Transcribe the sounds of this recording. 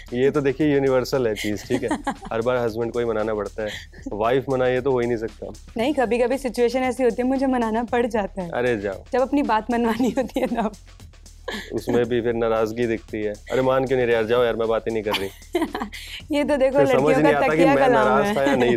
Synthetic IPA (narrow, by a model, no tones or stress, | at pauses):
jet̪od̪eːkʰiejuːnɪʋəɾsəlɦɛt͡ʃiːzʈʰiːkɦɛɐɾbaːɾɦɐzbə̃ɳɖ̚koːimɐnaːnapɐɽt̪aɦɛ | ʋaːɪfmɐnaiet̪oɦoːinɐɦĩs̬ɐk̚t̪a̰ | nɐɦĩkɐbʱikɐbʱisɪt͡ʃueːʃ̬ənɛːsiɦoːt̪iɦɛmʊd͡ʒʱemɐnaːnapɐɽd͡ʒaːt̪aɦɛɐ̰ɾed͡ʒa̰ːo̰d͡ʒɐbɐpnibaːt̪mɐnʋaːniɦoːt̪iɦɛnɐb | ʊ̰smẽbʱipʰɪɾnaːɾaːzɡid̪ɪk̚ʰt̪iɦɛːɐ̰ɾemaːnk̬jõːneːɾejaːɾd͡ʒaːõjaːɾmɛ̃baːt̪inɐɦĩkɐɾːəĩː | jet̪̬od̪eːkʰolɐɐʈməijõd͡ʒnekĩaːt̪ɐt̪akiamɛ̃kanaɾaːsʰajãnɐĩ